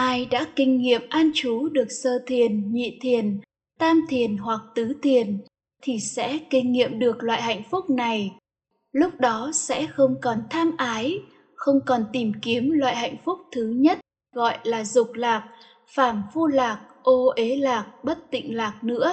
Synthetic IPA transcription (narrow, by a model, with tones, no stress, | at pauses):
ʔaː˧jɗa̰ː˧˥kï˧ŋ̟ŋḭ˧˨əmʔaː˧nt͡ɕu˨˦ɗɨ˨˩ək̚səː˧t̪ʰi˨˩ənɲḭ˧˨t̪ʰi˨˩ən | t̪aː˧mt̪ʰi˨˩ənɦwa˨˩k̚t̪ɨ˨˦t̪ʰi˨˩ən | t̪ʰi˨˩sɛ̰˧˥kï˧ŋ̟ŋḭ˧˨əmɗɨ˨˩ək̚lwa̰ː˧˨jha̰˧˨jŋ̟fʊ˦˥k͡p̚na˨˩j | lʊ˦˥k͡p̚ɗɔ˨˦sɛ̰˧˥xə˧wŋ͡mkɔ˨˩nt̪ʰaː˧mʔaː˨˦j | xə˧wŋ͡mkɔ˨˩nt̪i˨˩mki˨˦əmlwa̰ː˧˨jha̰˧˨jŋ̟fʊ˦˥k͡p̚t̪ʰɨ˨˦ɲə˦˥t̚ | ɣɔ̰˧˨jlaː˨˩zʊ˨˩k͡p̚laː˨˩k̚ | faː˧˩mfu˧laː˨˩k̚ʔo˧ʔe˨˦laː˨˩k̚ɓə˦˥t̚t̪ḭ̈˧˨ŋ̟laː˨˩k̚nɨ̰˧˥ə